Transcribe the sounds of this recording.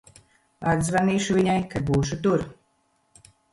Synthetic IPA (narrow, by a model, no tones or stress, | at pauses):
ad̪zvaniːʃuviɲajkad̪̚buːʃut̪uɾ